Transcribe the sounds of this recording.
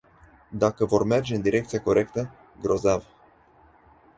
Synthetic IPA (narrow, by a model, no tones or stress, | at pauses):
d̪akəvo̞rme̞rd͡ʒe̞ɨnd̪iɾe̞kt̪siako̞ɾe̞kt̪ə | ɡɾo̞zav